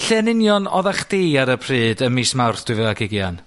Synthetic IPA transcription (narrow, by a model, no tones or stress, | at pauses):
ɬɛnɪnjɔnɔ̰ðaχd̥eaɾəpʰr̥iːdəmiːsmawrθd̥wɨvɛaɡɪɡjan